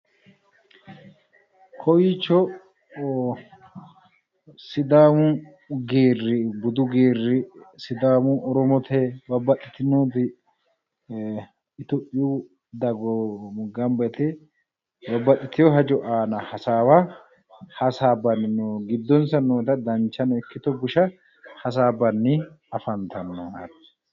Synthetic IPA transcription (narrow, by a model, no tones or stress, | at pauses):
kʰɔwiːt͡ʃːɔ | sɪd̪aːmʊ | ɡeːrːɪbʊd̪ʊɡeːrːɪsɪd̪aːmʊɔɾɔmɔt̪ʰɛbɐbɐt̪ːɪt̪ɪnoːt̪ɪ | ɪt̪ɔpʼːɪju | d̪ɐɡɔɡɐmbɐt̪ɛ | bɐbːɐt̪ʼːɪt̪ɪjɔɦɐd͡ʒɔʔaːnɐhɐsaːwa | hɐsaːbɐnːɪnoːɡɪd̪ːɔnsɐnːoːt̪ɐd̪ɐnt͡ʃːɐnɛkːɪt̪ɔɡʊʃɐ | hɐs̬aːbɐnːɪ | ɐfɐnt̪ɐnːɔɐt̪ɛ̥